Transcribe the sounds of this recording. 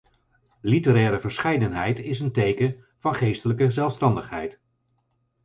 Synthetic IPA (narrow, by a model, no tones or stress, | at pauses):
litəɾɛːɾəvəɹsχɛjdənɦɛjtɪsəntejkən | v̥ɑnχejstələkəzɛlˠfstɑndəχɦɛjt